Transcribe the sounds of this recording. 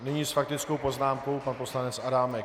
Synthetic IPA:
nɪɲiːsfak̚t̪ɪt͡sko̞wpo̞znaːmko̞wpanpo̞slanɛt͡sadaːmɛk

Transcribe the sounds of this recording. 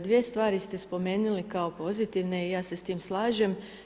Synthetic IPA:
d̪ʋie̞st̪ʋaːɾist̪e̞spo̞me̞ːnulikao̞po̞zit̪iʋne̞ijaːse̞st̪iːmslˠaːʒem

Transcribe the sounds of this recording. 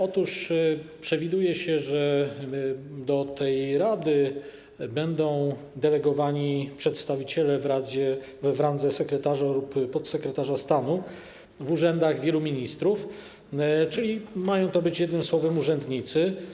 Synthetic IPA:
ɔt̪uʂpʂɛvʲid̪ujɛɕɛʐɛ | d̪ɔt̪ɛjɾad̪ɘ | bɛnd̪ɔ̃w̃ | d̪ɛlɛɡɔvaɲipʂɛt̪st̪avʲit͡ɕɛlɛɾad͡ʑɛ | vɾand̪zɛsɛkɾɛt̪aʐalupːɔt̪sɛkɾɛt̪aʐast̪anu | vuʐɛnd̪aɣvʲjɛlumʲiɲist̪ɾuf | t͡ʂɘlʲimajɔ̃w̃t̪ɔbɘt͡ɕjɛd̪nɘmswɔvɛmuʐɛnd̪ɲit̪sɘ

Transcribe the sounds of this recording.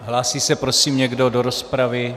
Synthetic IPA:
ɦlaːsiːsɛpɾosiːmɲɛɡdo̞doɾo̞spɾavɪ

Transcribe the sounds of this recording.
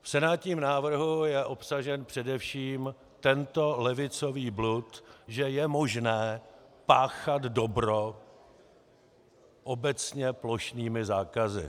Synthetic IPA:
fsɛnaːt̪ɲiːmnaːvr̩ɦujɛʔo̞psaʒɛnpr̥ɛdɛfʃiːm | t̪ɛnt̪o̞lɛvɪt͡so̞viːblut̪ʒɛjɛmo̞ʒnɛːpaːxad̪do̞bɾo | ʔo̞bɛt͡sɲɛplo̞ʃniːmɪzaːkazɪ̰

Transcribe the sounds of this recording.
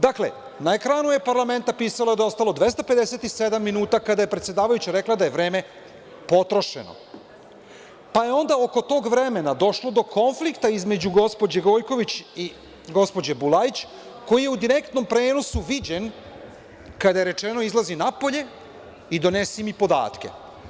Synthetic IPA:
d̪akle̞̰ | nae̞kɾaːnujepaɾlˠame̞nt̪apiːsalaed̪ao̞st̪alˠo̞d̪ʋe̞st̪ape̞d̪ese̞t̪ised̪amːinuːt̪akad̪aje̞pɾet̪sje̞d̪aːʋajut͡ɕaɾe̞klad̪aje̞ʋɾe̞ːme̞ | po̞t̪ɾo̞ʃḛno̰ | pajeo̞nd̪ao̞ko̞t̪o̞ːɡʋɾe̞me̞nad̪o̞ʃlo̞d̪o̞ko̞nflikt̪aizme̞d͡ʑuɡo̞spo̞d͡ʑeɡo̞jko̞ʋit͡ɕi | ɡo̞spo̞d͡ʑebulait͡ɕ | ko̞jije̞ud̪iɾe̞kt̪no̞mpɾe̞ːno̞suʋid͡ʑen | kad̪ajeɾe̞t͡ʃe̞no̞izlˠazinapo̞ʎe̞ | id̪o̞ne̞simipo̞d̪a̰ːt̪ke̞̰

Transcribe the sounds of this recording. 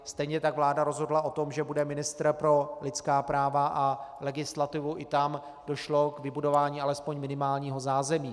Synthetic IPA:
st̪ɛjɲɛt̪aɡvlaːdaɾo̞zɦo̞dlaʔo̞t̪o̞mʒɛbudɛmɪnɪst̪ɾpɾo̞lɪt̪t͡skaːpɾaːvaʔalɛɡɪslat̪ɪvuʔɪt̪am | do̞ʃlo̞kvɪbudo̞vaːɲiːʔalɛspo̞ɲmɪnɪmaːlɲiːɦo̞zaːzɛmiː

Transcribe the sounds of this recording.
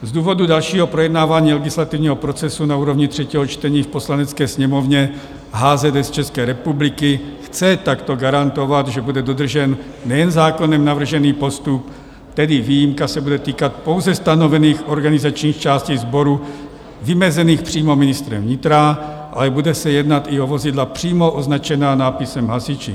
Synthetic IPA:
zd̪uːvo̞dudalʃiːɦopɾojɛdnaːvaːɲiːlɛɡɪslat̪ivɲiːɦopɾot͡sɛsunauːɾovɲɪt̪r̝̥ɛciːɦot͡ʃt̪ɛɲiːfpo̞slanɛt͡skɛːsɲɛmovɲɛ | ɦaːzɛdɛst͡ʃɛskɛːɾɛpublɪkɪxt͡sɛt̪akt̪o̞ɡaɾant̪o̞vat̪ʒɛbudɛdo̞d̪r̩ʒɛnː | ɛjɛnzaːko̞nɛmnavr̩ʒɛniːpo̞st̪up | t̪ɛdɪviːjimkasɛbudɛt̪iːkat̪̚po̞wzɛst̪anovɛniːxʔo̞ɾɡanɪzat͡ʃɲiːxt͡ʃaːsciɣzbo̞ɾu | vɪmɛzɛniːxpr̝̥iːmo̞mɪnɪst̪ɾɛ̰mvɲɪt̪ɾa | ʔa̰lɛbudɛsɛjɛd̪nat̪iovo̞zɪdlapr̝̥iːmoʔoznat͡ʃɛnaːnaːpɪsɛmɦasɪt͡ʃɪ̰

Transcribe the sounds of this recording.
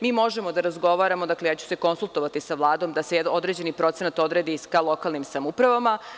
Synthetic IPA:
miːmo̞ʒemo̞d̪aɾazɡo̞ʋaːɾamod̪aklejaːt͡ɕu̥se̞ko̞nsulˠt̪o̞ʋat̪isaʋlˠaːd̪o̞md̪aseo̞d̪ɾe̞ːd͡ʑe̞nipɾo̞t̪senat̪o̞d̪ɾe̞d̪ikalˠo̞kalˠnimsamupɾaʋama

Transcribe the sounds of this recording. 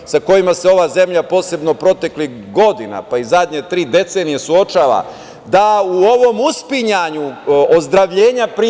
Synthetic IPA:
sako̞jimase̞o̞ʋaze̞mʎapo̞ːse̞bnopɾo̞t̪e̞klix | ɡo̞d̪ina̰paizad̪ɲe̞t̪ɾiːd̪e̞t̪senije̞suo̞t͡ʃaːʋa̰ | d̪auo̞ʋo̞muspiɲaɲuozd̪ɾaʋʎe̞ːɲapɾi

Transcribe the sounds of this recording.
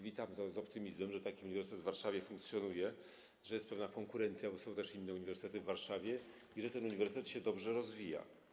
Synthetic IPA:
vʲit̪amt̪ɔzɔpt̪ɘmʲizmɛmʐɛt̪akʲiuɲivʲɛɾsɘt̪ɛd̪vːaɾʂavʲjɛfuŋk̚t̪sʲjɔnujɛ | ʐɛjɛst̪̚pɛvnakɔŋkuɾɛnt̪sʲjabɔsɔ̃w̃t̪ɛʂinːɛuɲivɛɾsɨ̥t̪ɛt̪ɘvːaɾʂavʲjɛ | iʐɛt̪ɛnuɲivɛɾsɘt̪ɛt̪ɕɛd̪ɔbʐɛɾɔzvʲija̰

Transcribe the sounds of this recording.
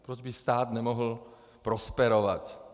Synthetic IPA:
pɾɔd͡ʒbist̪aːd̪ɲɛmɔɦl̩ | pɾɔspɛɾɔʋa̰c

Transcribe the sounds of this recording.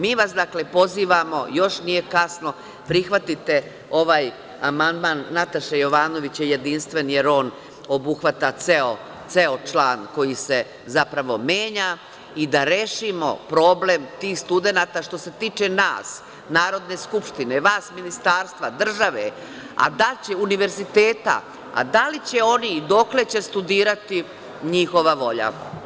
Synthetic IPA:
miːʋasd̪akle̞po̞ziːʋamo̞̰jo̞ʃnije̞kasno̞ | pɾixʋat̪it̪e̞ | o̞ʋaːj | amand̪maːnːat̪aʃejo̞ʋaːno̞ʋit͡ɕjeje̞d̪inst̪ʋe̞nje̞ɾo̞ːn | o̞buxʋat̪at̪seo | t̪seot͡ʃlaːnko̞jise̞ | zapɾaʋo̞meːɲa | id̪aɾeːʃimo̞̰pɾo̞ble̞mt̪iːxst̪ud̪e̞naːt̪aʃt̪o̞se̞t̪iːt͡ʃe̞naːs | naːɾo̞d̪ne̞skupʃt̪ine̞ʋaːsminist̪aːɾst̪ʋad̪r̩ʒaʋe̞̰ | a̰d̪at͡ɕe̞uniʋe̞ɾzit̪e̞ːt̪a̰ | a̰d̪alit͡ɕe̞o̞nid̪o̞kle̞t͡ɕe̞st̪ud̪iːɾat̪i | ɲixo̞ʋaʋo̞ʎa̰

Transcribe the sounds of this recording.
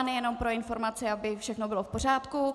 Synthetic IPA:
nɛjɛno̞mpɾoɪnfo̞ɾmat͡sɪabɪfʃɛxnobɪlofpor̝aːt̪ku

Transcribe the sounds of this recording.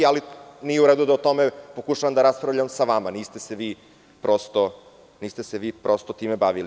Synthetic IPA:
alinijeuɾed̪ud̪aot̪o̞mepo̞kuʃaʋamd̪aɾaspɾavʎamsaʋamaniːst̪e̞seʋiː | pɾʔost̪o | niːst̪e̞seʋiːpɾo̞st̪ot̪iːmebaʋili

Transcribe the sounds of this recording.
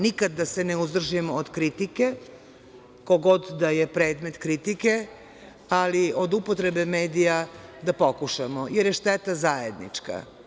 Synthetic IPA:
nikad̪ːaseneuzd̪r̩ʒiemood̪kɾit̪ike̞ | koɡo̞d̪d̪ajepɾeːd̪me̞t̪kɾit̪ike̞ | aliod̪upot̪ɾebeme̞ːd̪ijad̪apo̞kuʃamojeɾjeʃt̪et̪azajḛd̪nḭt͡ʂka̰

